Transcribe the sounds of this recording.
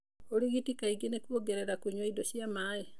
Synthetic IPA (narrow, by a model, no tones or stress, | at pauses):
oɾiɣitikaiɡenekwoɡeɾeɾakuɲwaidoɕjamaːe